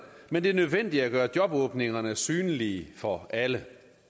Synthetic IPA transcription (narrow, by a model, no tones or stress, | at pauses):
mend̥e̝æɐnøðˠʋen̰d̥iæɡ̥ɶːɐd̥jɒ̽b̥ɔːb̥ne̝ŋɐnəsyːnliːfɒ̽ʔælə